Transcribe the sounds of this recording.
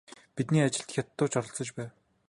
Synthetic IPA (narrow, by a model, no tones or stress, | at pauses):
pit̪niːat͡ɕɪ̆ɬt̪xʲjat̪ːʊːt͡ɕɔɾɞ̆ɬt͡sɞ̆t͡ɕpæːw